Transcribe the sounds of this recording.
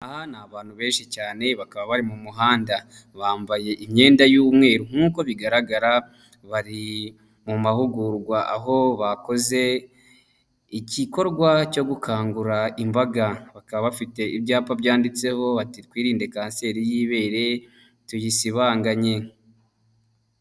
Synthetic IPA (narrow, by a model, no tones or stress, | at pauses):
ahanaβaːn̥huβe̞ːnʃicaːne̞βakaβaβaɾimumuɦaːnda | βaːmbaje̞ʔimɲe̞ːndajuːmŋe̞ːɾuŋ̥uːko̞βiɡaɾaɡaɾa | βaɾi | mumahuɡuɾɡwaʔa̰ɦo̞βako̞ze̞ | iciko̞ɾɡwaco̞ɡukʰaːŋɡuɾaimbaɡaβakaβaβafite̞ibɟaːpabjaːndit͡se̞ho̞βatikwiːɾiːnde̞kaːnse̞ːɾijiːβe̞ːɾe̞ | tujisiβaːŋɡaɲe̞